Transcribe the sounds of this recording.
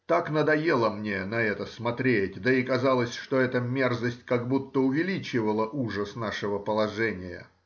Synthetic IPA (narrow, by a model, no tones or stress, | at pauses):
t̪aknəd̪ɐjelˠəmnʲe̞nɐɛt̪əsmɐt̪ɾʲetʲd̪əɪkɐzalˠəsʲʂt̪oɛt̪əmʲerzəsʲtʲkaɡbut̪ːəʊvʲɪlʲit͡ɕɪvəlˠəʔuʐəsnaʂɨvəpəlˠɐʐɛnʲɪjə̰